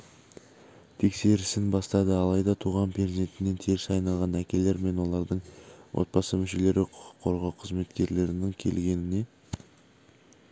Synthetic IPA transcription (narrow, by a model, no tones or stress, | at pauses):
t̪ʰe̞kse̞ɾɪsɪnbɑst̪ɑd̪əɑlˠɑjd̪ɑt̪ʰuʁɑnpʰeze̞nt̪ɪnːe̞nt̪ʰeɾɪsɑjnɑlˠʁɑnækʲe̞le̞ɾme̞nwo̞lˠɑɾd̪əɴwʔo̞̰t̪̚bɑsəmʏʃe̞le̞ɾɪqʰʊə̥qʰːo̞ɾʁɑwqʰəzme̞t̪kʲe̞ɾle̞ɾɪnɪŋkʲʰe̞̰lɡʲe̞nɪne̞